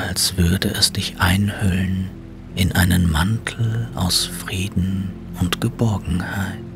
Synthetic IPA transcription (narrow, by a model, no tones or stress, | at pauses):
alsv̥ʏɐdəʔɛsd̥ɪçʔaɪnhœlən | ʔɪnʔaɪnənmantʰl̩ʔa̰ʊsfʁ̥iːdn̩ | ʊntɡ̥əbɔɐɡŋ̩haɪt